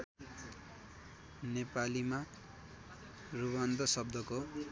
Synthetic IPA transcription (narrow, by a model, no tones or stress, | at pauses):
nepalima | ruwand̪ʌsʌb̚d̪ʱʌko